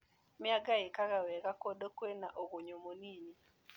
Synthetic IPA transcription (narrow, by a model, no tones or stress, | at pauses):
mɪaɡaɪkaɣawɛɣakodokwenaʔoɣoɲomoniɲi